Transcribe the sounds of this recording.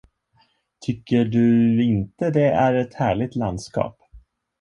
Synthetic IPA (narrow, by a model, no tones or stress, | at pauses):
t̪ʰʏkːəɖɵɪnt̪əd̪ɛæɾɛt̪hæːɭɪɡ̚t̪land̪skɑ̰ːp